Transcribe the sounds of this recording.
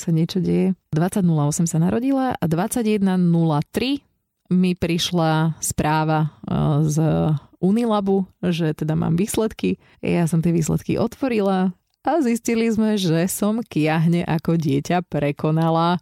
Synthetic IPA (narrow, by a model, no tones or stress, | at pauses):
saɲɛt͡ʃɔɟɛjɛd̪ʋat͡saɟnulaɔsɛmsanaɾɔɟilaad̪ʋat͡saɟjɛd̪nanulat̪ɾi | mipɾiʃlaspɾʔaːʋaz | unilabuʒɛt̪ɛd̪ama̰ːmʋiːslɛt̪ki | jasɔmt̪ɪɛʋiːslɛ̰t̪kḭʔɔt̪ʋɔɾila | aziscilizmɛʒɛsɔmkɪjaɦɲɛʔakɔɟɪɛcapɾɛkɔnala